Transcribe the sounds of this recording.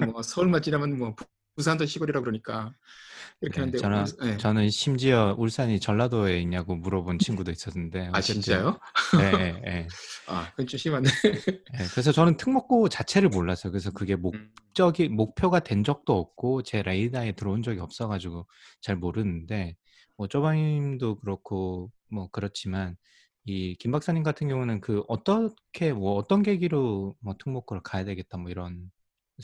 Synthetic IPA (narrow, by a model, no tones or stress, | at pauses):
mʌsʰʌuɭmat͡ɕ͈iɾamjʌnmwʌp | pus̬ʰand͡ʑʌɕʰiɡuɾiɾakɯɾʌɲik͈a | iɾʌnkʰeandeʌnaet͡ɕʌnɯnɕʰimd͡ʑiʌʔuɭs͈aɲit͡ɕʌɭːadoeiɲaɡomuɾʌbont͡ɕʰinɡudois͈ʌsʰɯnde̞at͡ɕeint͡ɕajonejea̰kɯit͡ɕ͈ʰomɕʰimandejekɯɾe̞sʰʌt͡ɕʌnɯntʰɯŋmʌk̚k͈ot͡ɕat͡ɕʰe̞ɾɯɭmoɭːasʰʌjokɯɾesʰʌkɯɡe̞mokt͡ɕ͈ʌɡimok̚pʰjoɡadwe̞nd͡ʑʌk̚t͈oʌp̚k͈ot͡ɕe̞ɾaidae̞tɯɾʌund͡ʑʌɡiʌp̚s͈ʌɡad͡ʑiɡot͡ɕaɭmoɾɯnɯnde̞ | mwʌt͡ɕ͈obaŋimdokɯɾʌkʰo | mwʌkɯɾʌt͡ɕʰiman | ikimbaks͈aɲimɡatʰɯnɡjʌŋunɯnkɯʔʌt͈ʌkʰe̞mʌːt͈ʌnɡe̞ɡiɾomwʌtʰɯŋmok͈oɾokajadwe̞ɡe̞t̚t͈amwʌiɾʌn